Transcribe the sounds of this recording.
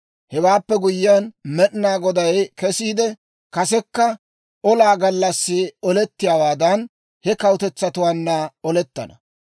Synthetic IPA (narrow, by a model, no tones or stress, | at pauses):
hɛwaːpːɛɡʊjːɪːanmɛɗnaːɡɔd̪ɐjkɛsiːd̪ɛ | kɐsɛkːɐ | ʔɔlaːɡɐlːɐsːɪɔlɛt̪ːɪjaːwaːd̪ɐn | hɛkɐwʊt̪ɛt͡sːɐt̪ʊwaːnːɐɔlɛt̪ːɐ̰nɐ̰